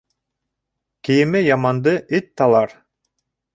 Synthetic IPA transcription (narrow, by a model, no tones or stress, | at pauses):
kijimɘjɑmɑnd̪ɯʔit̪ːɑlˠɑɾ